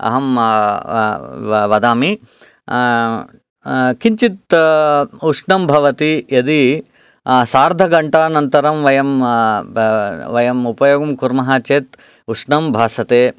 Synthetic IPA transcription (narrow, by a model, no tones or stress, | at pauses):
ɐ̰ɦɐm | ʋɐd̪aːmi | kiɲt͡ʃit̪ | uʂɳɐmbʱɐʋɐt̪ijɐd̪i | saːɾd̪ʱɐɡɐɳʈaːnɐnt̪ɐɾɐmʋɐjɐm | ʋɐjɐmupɐjoːɡɐmkuɾmɐɦaːt͡ʃeːt̪ | uʂɳɐmbʱaːsɐt̪eː